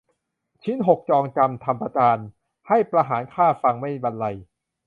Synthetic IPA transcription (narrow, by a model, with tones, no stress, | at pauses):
t͡ɕʰi˦˥nɦo˨˩k̚t͡ɕɔː˧ŋt͡ɕa˧mt̪ʰa˧mpɾa˧t͡ɕaː˧n | ha˥˩jpɾa˧ɦaː˩˦nkʰaː˥˩fa˧ŋma˥˩jba˧nla˧j